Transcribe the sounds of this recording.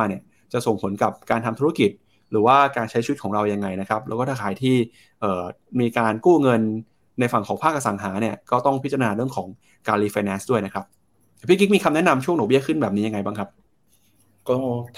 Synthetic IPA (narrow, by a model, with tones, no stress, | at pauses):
ni˥˩ə | t͡ɕa˨˩so˨˩ŋpʰo˩˦nka˨˩p̚kaː˧nt̪ʰa˧mt̪ʰu˦˥a˥ki˨˩t̪̚ | ɾɯː˩˦waː˥˩kaː˧nt͡ɕʰa˦˥jt͡ɕʰt̚ʰɔː˩˦ŋɾa˧wja˧ŋːa˧jna˦˥kʰɾa˦˥p̚lɛː˦˥kɔː˥˩t̪ʰaː˥˩kʰaː˩˦jt̪ʰiː˥˩ | ʔɤː˨˩miː˧kaː˧nkuː˥˩ŋɤ˧nː | a˧jfa˨˩ŋkʰɔː˩˦ŋpʰaː˥˩k̚ʔa˧sa˩˦ŋɦaː˩˦ni˥˩ɐkɔː˥˩t̪ɔ˥˩ŋpʰi˦˥t͡ɕa˧a˧naː˧ɾɯ˥˩əŋkʰɔː˩˦ŋ | kaː˧liː˧˥fa˧jnɛː˦˥nsdu˥˩əjna˦˥kʰɾa˦˥p̪̚ | ɛ˨˩pʰi˥˩k̬i˦˥miː˧kʰa˧mnɛ˦˥na˧mt͡ɕʰu˥˩ŋnɔː˨˩bi˥˩əkʰɯ˥˩nbɛː˨˩p̚i˦˥ja˧ŋa˧jbaː˥˩kʰa˦˥p̚ | kɔː˥˩